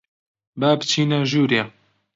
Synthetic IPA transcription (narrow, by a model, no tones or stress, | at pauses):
baːbɨt͡ʃʰiːnaʒuːɾe